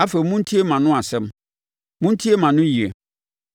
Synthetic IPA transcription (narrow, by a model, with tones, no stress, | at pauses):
a˦fe˨mũ˦n̩˦tʰi˦e˦mã˨nʊ̃˦a˨sɛ˦m | mʊ̃˦n̩˦tʰi˦e˦mã˨nʊ̃˦ji˨ḛ˨